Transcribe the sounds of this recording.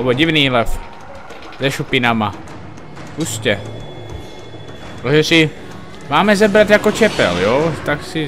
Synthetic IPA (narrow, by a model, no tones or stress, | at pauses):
boɟɪvniːlɛf | zɛʃupɪnama | puscɛ | pɾoʒɛsɪ | maːmɛzɛbɾat̪jakot͡ʃɛpɛ̰ljot̪aksɪ